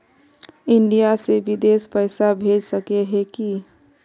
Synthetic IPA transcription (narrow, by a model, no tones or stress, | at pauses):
ɪɳɖijasebid̪espəɪsabʱed͡ʒsəkeɦɛki